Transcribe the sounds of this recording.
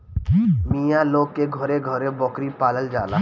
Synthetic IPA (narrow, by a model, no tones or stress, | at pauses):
miːjãloːɡ̚keɡʱɔɾeɡʱɔɾebɔkɾipaːləld͡ʒa̰ːla̰